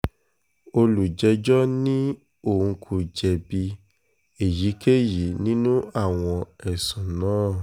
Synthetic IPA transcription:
o˧lu˨d͡ʒɛ˧d͡ʒɔ˦nĩ˦ | o˦˨ũ˧kʰu˧d͡ʒɛ˧bi˧ | e˨ji˨˦ke˦ji˨˦nĩ˦nũ˦a˦˨w̃ɔ̃˧ɛ˨sɔ̃˨nãː˨˦˨

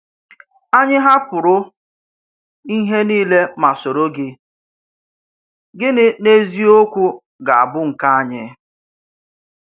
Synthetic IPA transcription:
a˦ɲɪ˦ɦa˦kʊ˨ɾʊ˦ | i˦ɦe˦niː˦le˦ma˨so˨ɾo˦ɡɪ˦ | ɡɪ˦nɪ˦ne˦zi˦o˦kʷu˦ | ɡa˨a̰˨bʊ˦ŋ̩˨ka˦a˦ɲɪ˦

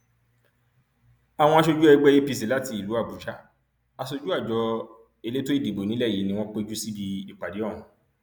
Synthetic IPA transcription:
a˨w̃ɔ̃˧a˧ʃ̬o˧d͡ʒu˦ɛ˧ɡ͡bɛ˦˧ji˦pi˧s̬i˨˦la˨˦ti˧i˨lu˨˦a˦˨bu˨˦ʃa˦ | a˧so˧d͡ʒu˦a˦˨d͡ʒɔ˨˧ | e˧le˦to˦i˦˨de˨bo˨nĩ˨˦lɛ˦˨ji˨˦nĩ˧w̃ɔ̃˦k͡pe˦d͡ʒu˦si˦bi˧i˨k͡pa˨di˨˦ɔ̃˦˨ũ˨˦

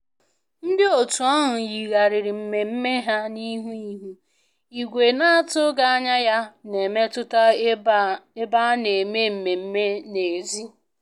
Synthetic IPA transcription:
n̩˦dɪ˦o˨tu˨a˦ɦʊ˨ji˨ɣa˨ɾɪ˨ɾɪ˨m̩˨me˨m̩˦me˦ɦa˦ni˦ɦu˦i˦ɦu˦ | i˨ɡʷe˨na˦a˦tʊ˦ɡa˦a˦ɲa˦ja˦ne˨me˦tʊ˦ta˦ | e˦ba˦ne˨me˦m̩˨me˨m̩˦me˦ne˨zi˦

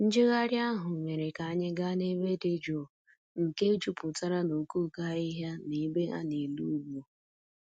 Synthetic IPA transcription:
n̩˦d͡ʒɪ˦ɣa˦ɾja˦ɦʊ˨ɲe˨ɾe˨ka˨a˦ɲɪ˦ɡa˦ne˦be˦de˦d͡ʒo˨ | ŋ̩˨ke˦d͡ʒu˦pʊ˨ta˦ɾa˦no˨ku˦˨ka˦i˦ɦa˦ne˨˦be˦a̰˦ne˨lu˦ɡ͡bu˨

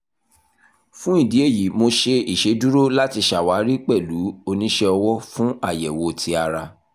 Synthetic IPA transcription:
fũ˦i˦˨di˨˦e˦˨ji˨˦mo˧ʃe˧i˦˨ʃe˨˦du˦ɾo˦la˦ti˧ʃa˨wa˨˦ɾi˦k͡pɛ˦˨lu˨˦o˧nĩ˦ʃɛ˧ɔ˧wɔ˦fũ˦a˦˨jɛ˨wo˨tʰi˧˦a˧ɾa˧

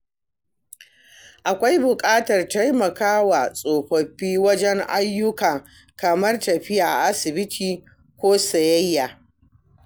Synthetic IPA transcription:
ʔa˨kʷa˦jbʊ˨kʼaː˦tɐ˨rta˦jmɐ˨kaː˦wa˨sʼoː˨kʷɔ˨ɸiː˦wɐ˦d͡ʒɛ˦ŋʔa̰˦jːʊ˦kɐ˨ŋ | kɐ˨mɐ˦rtɐ˨ɸɪ˦jaː˨ʔa̰˨ʔa˦sɪ˨bɪ˦tʰiː˨ | kʷoː˦sɐ˨jɐ˦jːaː˨

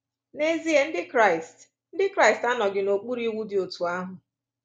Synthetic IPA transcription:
ne˦zi˦e˨n̩˦dɪ˦kɾa˦˨ɪ˨st | n̩˦dɪ˦kɾa˦ɪ˨sta˦nɔ˨ɡɪ˨no˨k͡pu˦ɾi˦wu˦dɪ˨o˨tu˨a˦ɦʊ˨

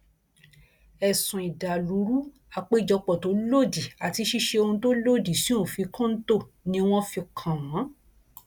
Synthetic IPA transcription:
ɛ˨sũ˨i˨da˨lu˨˦ɾu˦ | a˧k͡pe˦i˦˨d͡ʒɔ˧k͡pɔ˨to˨˦lo˦˨di˨a˨ti˧ʃi˦ʃe˧o˧ũ˧to˦lo˦˨di˨si˦õ˦˨fi˧kɔ̃˦n̩˦to˦˨ | nĩ˧w̃ɔ̃˦fi˧kʰã˨w̃ã˨˦

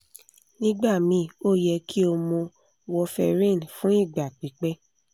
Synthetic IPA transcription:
nĩ˦ɡ͡ba˦˨mĩ˨˧˦o˦˨jɛ˧ki˦o˧mõ˧ | wɔ˧fɛ̰˧ɾĩ˦˨n˨fũ˦i˦˨ɡ͡ba˨k͡pi˨˦k͡pɛ˦

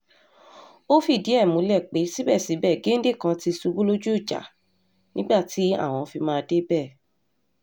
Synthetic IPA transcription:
o˦fi˦˨di˨˦ɛ˦˨mũ˨˦lɛ˦˨k͡pe˨˦si˦bɛ˦˨si˨˦bɛ˦˨ɡe˦n̩˦de˦˨kã˧ti˧su˧ɡ͡bu˦lo˦d͡ʒu˦i˦˨d͡ʒa̰˨˦ | nĩ˦ɡ͡ba˦˨ti˨˦a̰˦˨w̃ɔ̃˧fi˧mãː˦˧de˦bɛː˦˨

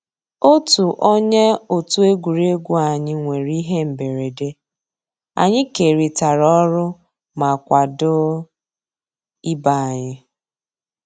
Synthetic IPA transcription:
o˦tu˨ʔo˦ɲe˦o˨tu˦e˦ɡʷu˨ɾe˦ɡʷu˦a˨ɲɪ˦ŋʷe˨ɾi˦ɦe˦m̩˨be˨ɾe˨de˦ | a̰˨ɲɪ˦ke˨ɾi˨ta˨ɾɔ˦ɾʊ˦ | ma˨kʷa˨dʊ˦ | i˦ba˦a˨ɲɪ˦

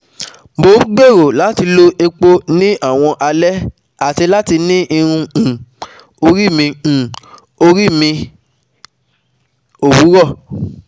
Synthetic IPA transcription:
mo˨˦ɡ͡be˦˨ɾo˨la˨˦ti˧lo˧˦e˧k͡po˦nĩ˦ʔa˦˨w̃ɔ̃˧ʔa˧lɛ˦ | a˦˨ti˧la˦ti˧nĩ˦ʔi˧ɾ̃ũ˧˨ | o˧ɾi˦˨mĩ˧˨ | o˧ɾi˦mĩ˧ | o˨wu˨˦ɾɔ˦˨

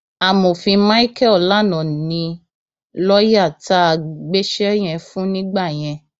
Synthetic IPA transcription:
a˨mõ˨fĩ˧mã˦i˦kɛ˦˨la˨˦nɔ̃˨nĩ˧ | lɔ˦ja˦˨ta˦˧ɡ͡be˦ʃɛ˦j̃ɛ̃˧fũ˦nĩ˦ɡ͡ba˦˨j̃ɛ̃˧

